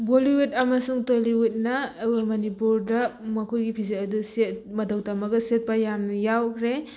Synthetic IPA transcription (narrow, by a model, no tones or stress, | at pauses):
boliwetɐmɐsuŋtojliwut̚nɐemɐnipuɾdɐmɐkʰojɡipʰizetɐduset̚mɐdɐwtɐmɐɡɐset̚pɐjamnɐjawkʰɾe